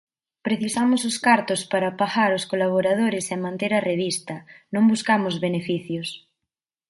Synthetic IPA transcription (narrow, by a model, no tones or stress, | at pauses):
pɾeθisamososkaɾt̪ospaɾapaxaɾoskolaβ̞oɾað̞oɾesemãnt̪eɾareβ̞ist̪ɐnõŋbuskamozβenefiθjos